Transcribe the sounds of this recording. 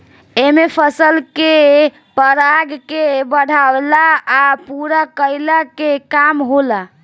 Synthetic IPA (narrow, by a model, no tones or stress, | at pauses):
emepʰəsəlke | pəɾaɡkebəɽ̤ʱablaːpuɾakəjlakekamɦola